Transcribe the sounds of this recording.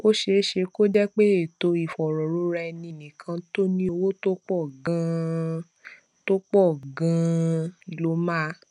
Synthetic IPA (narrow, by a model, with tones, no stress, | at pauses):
o˦ʃe˧˦ʃe˧ko˦d͡ʒɛ˦k͡pe˦e˦˨to˧i˨fɔ˨ɾɔ˨ɾo˧˦ɾɛ˧nĩ˧nĩ˨kʰã˧to˦nĩ˦o˧wo˦to˦k͡pɔ˦˨ɡã˧ | to˦k͡pɔ˦˨ɡã˧˨ | lo˧˦ma˦